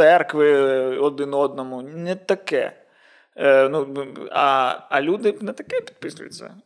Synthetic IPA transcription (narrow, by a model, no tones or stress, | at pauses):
sɛrkvɨɔd̪ɨnɔd̪nɐmunʲɛt̪ɐkɛ̰ | nua̰ɐlʲud̪ɨnɐt̪ɐkʲiɛpʲi̥t̪pɨsujɪ̰t̪sɐ̰